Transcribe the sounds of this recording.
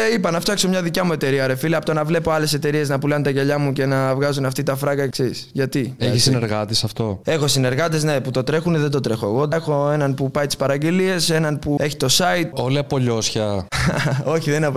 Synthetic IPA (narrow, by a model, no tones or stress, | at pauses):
ipɐnɐft̪ɐkso̞mɲɐðicɐmue̞t̪e̞ɾiɐɾe̞filɐpot̪onɐvle̞po̞ɐle̞se̞t̪e̞ɾie̞znɐpulɐnt̪ɐʝɐʎɐmuce̞nɐvɣɐzunɐft̪it̪ɐfɾɐɡɐekseɾisʝɐt̪ieçisineɾɣɐt̪isɐft̪o̞e̞xo̞sine̞ɾɣɐt̪e̞zne̞put̪o̞t̪ɾe̞xuneðed̪o̞t̪ɾe̞xo̞eɣo̞exo̞e̞nɐnpupɐjt̪i̥spɐɾɐɟelie̞se̞nɐnpue̞çi̥t̪o̞sɐit̪̚oliɐpo̞ʎo̞sçɐ | o̞çiðeninɐp